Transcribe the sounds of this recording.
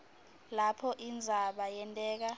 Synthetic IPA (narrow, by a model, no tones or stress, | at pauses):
lapʰɔʔind͡zʱaɓajɛntʼɛːk̬a